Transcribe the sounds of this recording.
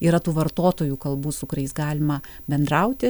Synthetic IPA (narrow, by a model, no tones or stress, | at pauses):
iːɾɐt̪uːʋɐɾt̪oːt̪oːjuːkɐlˠbuːsʊkʊɾɐɪsɡɑːlʲɪmɐ | bʲɛnd̪ɾɐʊt̪ʲɪ